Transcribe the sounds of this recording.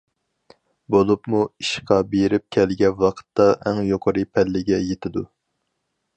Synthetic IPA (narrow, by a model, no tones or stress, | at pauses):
bolˠupmuiʃqɑbeɾɪp̚kʲʰɛlɡʲɛwɑqʰə̥t̪ːɑʔɛŋjoqʰəɾɨpʰɛlːɪɡʲɛjet̪ʰɪd̪u